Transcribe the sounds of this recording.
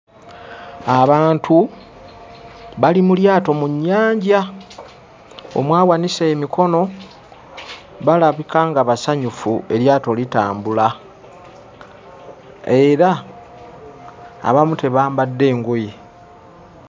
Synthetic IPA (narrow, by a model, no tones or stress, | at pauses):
aβaːntʰu | βalimuljaːto̞muɲːaːɲɟa | o̰mwaːwaniseːmikʰo̞no̞ | βalaβikaːŋɡaβasaɲufue̞ɾjaːto̞lita̰ːmbula | e̞ɾa | βamute̞βaːmbadːe̞ːŋɡoje